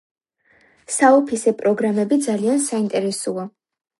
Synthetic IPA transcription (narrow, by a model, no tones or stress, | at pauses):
saɔpʰisɛpʼɾɔɡɾamɛbid̪zaliansaint̪ʼɛɾɛsua